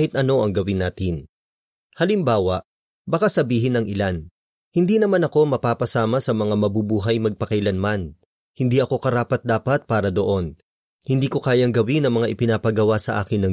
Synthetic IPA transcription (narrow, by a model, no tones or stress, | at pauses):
hɪt̪ʔɐno̞ʔɐŋɡɐwɪnːaːt̪ɪn | hɐlɪmbaːwɐʔ | bɐkasɐbiːɦɪnɐŋʔɪlan | hɪnd̪iːnɐmanɐko̞mɐpaːpɐsaːmɐsɐmɐŋamɐbubuːɦɐjmɐɡ̚pɐkɐjlɐnman | hɪnd̪iːʔɐko̞kɐɾaːpɐt̪̚d̪aːpɐt̪̚paːɾɐd̪o̞ʔo̞n | hɪnd̪iːko̞kaːjɐŋɡɐwinɐŋmɐŋaʔɪpɪnaːpɐɡɐwasɐʔa̰ːkɪnːɐ